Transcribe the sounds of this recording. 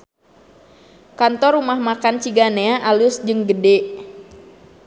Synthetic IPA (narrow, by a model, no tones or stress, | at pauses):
kant̪ɔrumahmakant͡ʃiɡaneaʔalʊsd͡ʒɨŋɡədɛ